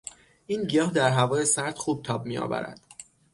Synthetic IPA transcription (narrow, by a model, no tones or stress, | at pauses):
ʔiːnɟijɒːhd̪æɾɦævɒːjesæɾt̪xuːb̚t̪ʰɒːb̚mijɒ̰ːvæ̰ɾæ̰d̪̥